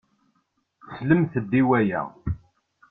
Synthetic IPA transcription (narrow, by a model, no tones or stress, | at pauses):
sləmθəd̪ːiwæjæ̰